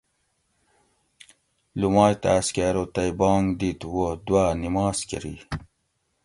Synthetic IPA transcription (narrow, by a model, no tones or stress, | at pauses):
lumɑːjt̪askaːɾot̪ajbɑːŋɡd̪it̪wod̪waːnimɑːskḭɾḭ